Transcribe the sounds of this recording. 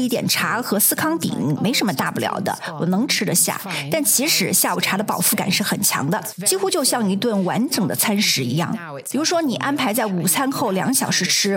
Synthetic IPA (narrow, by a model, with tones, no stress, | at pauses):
i˥˩t̪jɛ̰˨˩nʈ͡ʂʰa˧˥xɤ˧˥sɹ̩˥˧kʰɑ˥ŋt̪ḭ˨˩˦ŋ˥˩me˧˥ɪʂə˧˥nmə˧t̪a˥˩pu˥˩ljɑ̰˨˧˩ʊd̪ə̰˧wɔ˨˩nɤ˧˥ŋʈ͡ʂʰɻ̩˥d̪ə˧ɕja̰˥˩t̪a˥˩nt͡ɕʰi˧˥ʂɻ̩˧˥ɕja˥˩u˨˩ʈ͡ʂʰa˧˥d̪ə˧pɑ˨˩ʊfu˥˩ka̰˨˩nʂɻ̩˥˩xə˨˩nt͡ɕʰjɑ̰˧˥ŋd̪ə˧t͡ɕi˥xu˥t͡ɕjo˥˧ʊɕjɑ˥˩ŋi˧˥t̪wə˥˩nwa˧˥nʈ͡ʂɤ˨˩ŋd̪ə˦t͡sʰa˥nʂɻ̩˧˥i˧˥jɑ̰˥˩ŋ | pi˨˩ɻu˧˥ʂwɔ˥ni˨˩ʔa˥npʰa˧˥ɪt͡sa˥˩ɪu˨˩t͡sʰa˥nxo˥˩ʊljɑ̰˧˥ŋɕjɑ˨˩ʊʂɻ̩˥˩ʈ͡ʂʰɻ̩˥